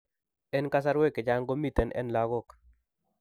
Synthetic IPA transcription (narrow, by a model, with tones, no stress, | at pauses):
ɛ˦nka˦s̬a˦ɾwɛ˦kɪ˨d͡ʒa˦ŋɡo˦mi˦˨t̪ɛ˨nɛ̰˦nla˨ɡɔ˦k